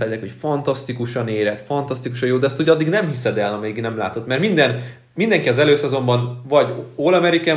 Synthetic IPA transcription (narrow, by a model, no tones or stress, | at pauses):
ajɛkho̞cfɒnt̪ɒst̪ikuʃɒneːɾɛt̪fɒnt̪ɒst̪ikuʃɒjoːd̪ɛɒst̪uɟɒd̪ːiɡnɛmhisɛd̪ɛlɒmɛiɡnɛmla̰ːt̪o̞t̪mɛrmind̪ɛn | mind̪ɛŋkiɒzɛløːsɛzo̞mbɒnvɒɟolɒmɛɾikaː